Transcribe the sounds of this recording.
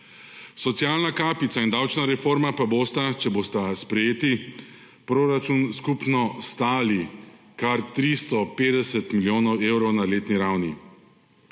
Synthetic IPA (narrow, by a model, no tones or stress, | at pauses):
sɔt̪sijaːlnakaːpit̪saind̪awt͡ʃnaɾɛfoːɾmapaboːst̪at͡ʃɛboːst̪aspɾɛjeːt̪i | pɾoːɾat͡ʃunskupnɔst̪aːli | kaɾt̪ɾist̪ɔpeːd̪ɛsɛt̪miljoːnɔweːwɾɔwnaleːt̪niɾawni